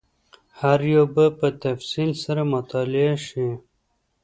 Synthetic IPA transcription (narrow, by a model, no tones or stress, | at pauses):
haɾjobəpət̪ɐfsilsɐɾamʊt̪ɑːleaʃi